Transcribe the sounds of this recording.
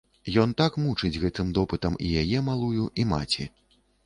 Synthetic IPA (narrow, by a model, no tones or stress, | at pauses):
jɔnt̪akmut͡ʂɨd͡zʲɣɛt̪ɨmd̪ɔpɨt̪ɐmijajɛmalˠujuʔima̰t͡sʲḭ